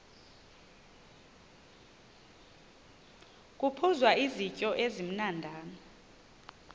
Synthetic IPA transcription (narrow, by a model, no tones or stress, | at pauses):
k̬ʼupʰuzwaizicʼɔʔezim̩nandʱaːnɔ